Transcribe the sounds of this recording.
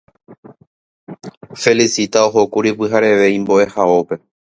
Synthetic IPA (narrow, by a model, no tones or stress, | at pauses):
fe̞lisit̪aoɦokuɾipɨɦaɾe̞ʋe̞ĩmbo̞ʔe̞hao̞pe̞